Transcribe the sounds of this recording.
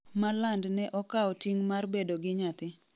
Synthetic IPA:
malandnɛʔɔkaɔtiŋmarbedoɡɪɲat̪ɪ

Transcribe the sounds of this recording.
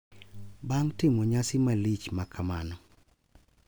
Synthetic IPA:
baŋtɪmoɲasɪmalit͡ʃmakʰamanɔ

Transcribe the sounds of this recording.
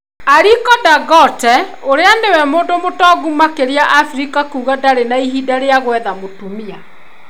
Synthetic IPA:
aɾikɔdaɡɔtɛ | oɾeanewɛmoːndomotɔɣumakeɾiaʔafɾikakuːɣadaɾenaiɦidaɾeaɣwɛðamotumia

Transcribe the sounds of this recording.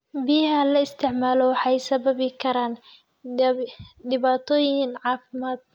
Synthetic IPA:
bɪjɦɐlɐɪst̪ʰɪʕmaːlɔwɑħɑjsɐβɐβɪkʰɐɾaːn | d̪ɪβaːt̪ʰɔːjɪnʕɑːfɪmaːd̪̥̚

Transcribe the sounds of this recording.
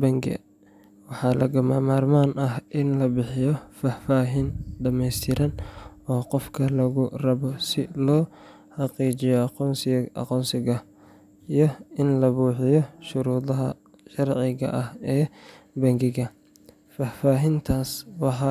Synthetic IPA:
bɐŋɡɛ̰ | wɑħɑːlɐ̰ɣɐmamaːrmaːnʔɐhʔɪnlɐbɪħɪjɔfaːfaːɦiːnɖɐmɛjst̪ʰɪɾɐnɔːqɔfkʰɐlɐɣʊrɐβɔsɪlɔː | ħɑqiːt͡ʃɪjɔqɔːnsʔɐ̰qɔːnsɪɣɐ | ijɔɪnlɐβuːħɪjɔʃʊɾuːðɐɦɐ | ʃɐrʕɪɣɐ̰ʔɐhɛːbɐŋɡɪɣɐ | faːfaːɦɪnt̪ʰaːswɑħɑ

